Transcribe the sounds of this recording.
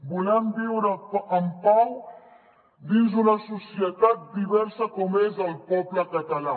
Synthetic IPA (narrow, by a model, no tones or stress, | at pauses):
bulɛmbiwɾəəmpaw | d̪inzunɐsusiət̪at̪̚d̪iβɛɾsəkɔmezəlˠpɔpləkət̪ɐla